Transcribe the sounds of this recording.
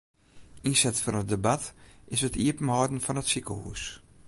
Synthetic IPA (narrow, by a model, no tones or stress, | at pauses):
insɛtfɔnədəbatʔɪsətʰiəpən̩hɔːdn̩fɔnətsikəlˠhṵs